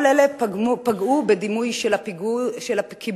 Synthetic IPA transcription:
lelepaɡubed̪imujʃelapʃelakʰib

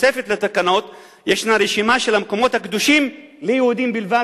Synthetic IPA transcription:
e̞fe̞t̪let̪akano̞t̪ | jeʃnaɾeʃimaʃe̞lamko̞mo̞t̪hakd̪uʃim | lejehud̪imbilva

